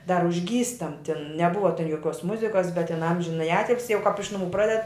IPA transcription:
dɐr ʊʒʲˈɡʲiːstɐm tʲɪn nʲɛˈbʊʋɐ joːˈkʲuɔs ˈmʊzʲɪkɐs bʲɛt tʲɪn ˈɐmʲʒʲɪnɐjɪ ˈɑːtʲɪlʲsʲɪ jɛʊ kɐp ɪʃ nʊˈmuː ˈprɑːdʲɛt

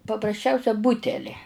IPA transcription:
pɐprɐsʲˈt͡ʃʲɛʊsʲɛ ˈbʊtʲɛlʲɪ

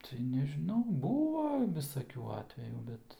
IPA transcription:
tɐɪ nʲɛʒʲɪˈnɐʊ ˈbuːʋɐ ʋʲɪsɐˈkʲuː ˈɑːtʲʋʲɛjuː ˈbʲɛt

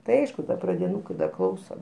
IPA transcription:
tɐɪ ˈɐɪʃkʊ ˈdɐ prɐdʲɪˈnuːkɐɪ dɐ ˈklˠɐʊsoː

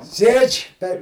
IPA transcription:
ˈsʲeːt͡ʃʲ pʲɛr

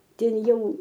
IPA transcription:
ˈtʲɛn ˈjɛʊ

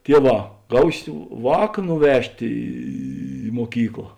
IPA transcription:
ˈtʲiɛˌʋɑː ˈɡɐʊsʲɪ ˈʋɑːk nʊˈʋʲɛʃʲtʲ ˈiː muɔˈkʲiːklˠɐ

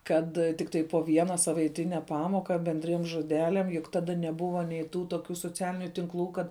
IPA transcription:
ˈkɐt tʲɪkˈtɐɪ poː ˈʋʲiɛnɐ sɐʋɐɪˈtʲɪnʲɛ ˈpɑːmoːkɐ bʲɛnʲˈdʲrʲiɛm ʒoːˈdʲæːlʲɛm jʊk ˈtɑːdɐ nʲɛˈbʊʋɐ nʲɛɪ ˈtuː toːˈkʲuː soːˈt͡sʲæːlʲɪnʲʊ tʲɪŋˈklˠuː ˈkɐt

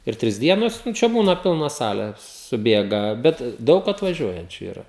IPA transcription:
ɪr ˈtʲrʲɪs ˈdʲiɛnoːs nʊ ˈt͡ʃʲɛ ˈbuːnɐ ˈpʲɪlˠnɐ ˈsɑːlʲɛ sʊˈbʲeːɡɐ bʲɛt ˈdɐʊk ɐtʋɐˈʒʲuɔjɛnʲt͡ʃʲʊ iːˈrɐ

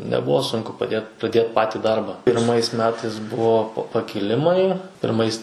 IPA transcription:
nʲɛˈbʊʋoː ˈsʊŋkʊ pɐˈdʲeːt prɐˈdʲeːt ˈpɑːtʲɪ ˈdɐrbɐ pʲɪrˈmɐɪs ˈmʲæːtɐɪs ˈbʊʋoː pɐ pɐkʲɪˈlʲɪmɐɪ pʲɪrˈmɐɪs

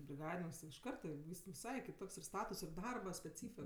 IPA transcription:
bʲrʲɪˈɡɑːdʲɪnʲɪŋks tʲɪ ɪʃ ˈkɐrtɐ ˈʋʲiːs ʋʲɪˈsɐɪ kʲɪˈtoːks ɪr ˈstɑːtʊs ɪr ˈdɐrbɐ sʲpʲɛˈt͡sʲiːfʲɪ

